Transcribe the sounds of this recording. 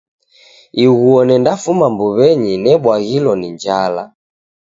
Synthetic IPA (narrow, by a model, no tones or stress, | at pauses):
iɣuɔnɛndafumambuβɛɲinɛɓwaɣilɔniɲd͡ʒala